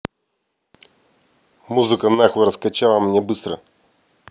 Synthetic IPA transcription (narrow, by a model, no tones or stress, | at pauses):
muzɨkənaxɨɾəskɐt͡ɕalˠəmnʲebɨst̪ɾə̰